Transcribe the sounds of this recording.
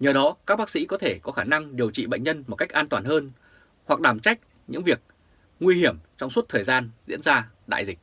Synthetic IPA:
ɲəː˨˩ɗɔ˨˦kaː˦˥k̚ɓaː˦˥ksḭ˧˥kɔ˨˦t̪ʰe˧˩kɔ˨˦xaː˧˩na˧ŋɗi˨˩əwt͡ɕḭ˧˨ɓə̰˧˨jŋ̟ɲə˧nmo˨˩t̚ka˦˥jk̟ʔaː˧nt̪waː˨˩nɦəː˧n | hwa˨˩k̚ɗaː˨˩mt͡ɕa˦˥jk̟̚ | ɲɨ̰˧˥ŋvi˨˩ək̚ | ŋwi˧hi˧˩əmt͡ɕɔ˧wŋ͡mswt̚t̪ʰəː˨˩jzaː˧nzḭ˧˥ənzaː˧ | ɗa̰ː˧˨jzï˨˩k̚

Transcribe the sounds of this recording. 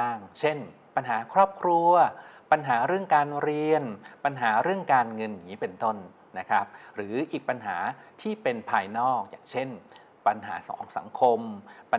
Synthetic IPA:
a˥˩ŋt͡ɕʰe˥˩n | pa˧nɦaː˨˩˦kʰɾɔː˥˩p̚kʰɾu˧ɐpa˧nɦaː˩˦ɾɯ˥˩əŋkaː˧nɾi˧ənpa˧nɦaː˩˦ɾɯ˥˩əŋkaː˧nŋɤ˧nja˨˩ŋːiː˦˥pe˧nt̪o˥˩nː | a˦˥kʰa˦˥p̚ɾɯː˩˦ʔiː˨˩k̚pa˧nɦa̰ː˩˦t̪ʰiː˥˩pe˧npʰaː˧jnɔː˥˩k̚ja̰ː˨˩ŋt͡ɕʰe˥˩n | pa˧nɦa̰ː˩˦sɔ̰ː˩˦ŋsa̰˩˦ŋkʰo˧mpa˧

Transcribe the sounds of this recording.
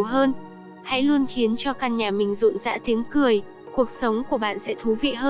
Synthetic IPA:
wɦəː˧n | ha̰˧˥jlu˧ənxi˨˦ənt͡ɕɔ˧kaː˧nɲaː˨˩mï˨˩ŋ̟zṵ˧˨nza̰ː˧˥t̪i˨˦ənkɨ˨˩əj | ku˨˩ək̚sə˨˦wŋ͡mku˧˩əɓa̰ː˧˨nsɛ̰˧˥t̪ʰu˨˦vḭ˧˨ɦəː˧

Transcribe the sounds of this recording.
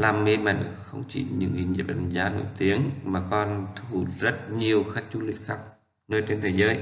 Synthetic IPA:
laː˨˩mŋe˧mə̰˧˨jxə˧wŋ͡mt͡ɕḭ˧˩ɲɨ̰˧˥ŋḭ˨˩nɲḭ˨˩p̚a̰˧˩nzaː˨˧˦no̰˧˨jt̪i˨˦əŋmaː˨˩kɔ˧nt̪ʰu˧˩zə˦˥t̚ɲi˨˩əwxa˦˥t̚t͡ɕu˧lḭ˨˧˩ək̚xaː˦˥k̚ | nəː˧jt͡ɕe˧nt̪ʰəː˨˦jzəː˨˦j

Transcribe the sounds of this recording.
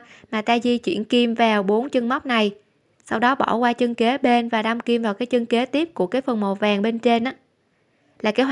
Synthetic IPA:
maː˨˩t̪aː˧zi˧t͡ɕwḭ˧˩ənki˧mvaː˨˩wɓo˨˦nt͡ɕɨ˧ŋma˦˥wk͡p̚na˨˩j | sa˧wɗɔ˨˦ɓɔ̰˧˩kwaː˧t͡ɕə˧ŋke˨˦ɓe˧nvaː˨˩ɗa˧mki˧mvaː˨˩wkaː˨˦jt͡ɕə˧ŋke˨˦t̪i˦˥əp̚ku˧˩əkaː˨˦jfə˨˩nmo˨˩vaː˨˩ŋɓe˧nt͡ɕe˧nʔaː˨˦ | laː˨˩kaː˨˦w

